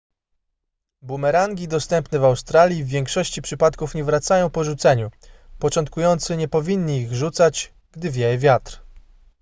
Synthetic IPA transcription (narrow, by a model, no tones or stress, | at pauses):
bumɛɾaŋɡʲid̪ɔst̪ɛmpnɛvawst̪ɾalʲjivːʲjɛŋkʂɔɕt͡ɕipʂɘpat̪kufɲɛvɾat̪sajɔ̃w̃pɔʐut̪sɛɲupɔt͡ʂɔnt̪̚kujɔnt̪sɘɲɛpɔvʲiɲːiːɣʐut̪sat͡ɕ | ɡd̪ɘvʲjɛvʲjat̪ɾ